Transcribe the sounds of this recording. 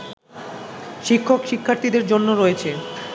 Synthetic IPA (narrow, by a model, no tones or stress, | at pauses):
ʃikʰːokʃikʰːaɾt̪ʰid̪eɾd͡ʑonːoɾoet͡ɕʰe